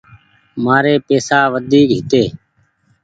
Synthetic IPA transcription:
maːɾeːpeːsaːʋəd̪ʱiːkɦɪt̪eː

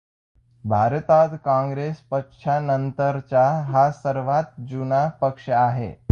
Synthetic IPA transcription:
bʱaɾt̪at̪kãŋɡɾespəkʂʰanənt̪əɾt͡ɕaɦasəɾʋat̪̚d͡ʑunapəkʂəaɦḛ

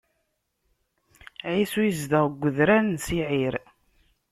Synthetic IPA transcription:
ʕisujəzd̪əʁɡʷːəðɾænsiʕiɾ

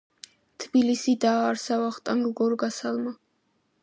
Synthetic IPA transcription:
t̪ʰbilisid̪aːɾsavaχt̪ʼaŋɡɡɔɾɡasalˠma

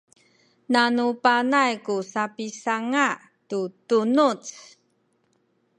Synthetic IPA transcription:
nanupanajkusapisaŋa | tutunut͡s

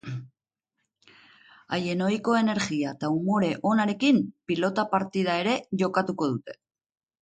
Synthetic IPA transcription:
ajeno̞jko̞e̞ne̞ɾɣiat̪aumo̞ɾe̞ʔo̞naɾe̞kimpilo̞t̪apaɾt̪ið̞ae̞ɾe̞ʝo̞kat̪uko̞ðut̪e̞̥

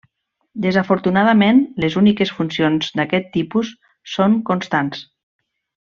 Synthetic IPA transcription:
d̪əzafoɾt̪unað̞amenlezunikesfunsionzd̪akɛt̪ːipusː | oŋkonst̪ans

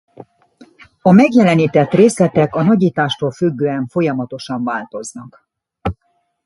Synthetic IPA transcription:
ɒmɛɡjɛlɛniːt̪ɛt̪reːslɛt̪ɛkɒnɒɟiːt̪aːʃt̪oːlfyɡːøːɛɱfo̞jɒmɒt̪o̞ʃɒɱvaːlt̪o̞znɒk

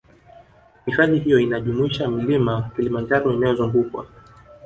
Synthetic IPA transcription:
hifaɗiɦijɔinaʄumuiʃamilimakilimand͡ʒaɾɔinajɔzuŋɡukwa̰

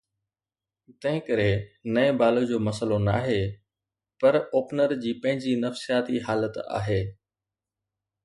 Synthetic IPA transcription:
t̪ɐ̃ɦɪ̃kəɾenɐẽbaːlod͡ʑoːmɐsəlona̰ːɦeː | pɐɾoːpnəɾd͡ʑiːpɐ̃ɦɪ̃ɲd͡ʑiːnɐfsijaːt̪iɦaːlət̪a̰ːɦeː

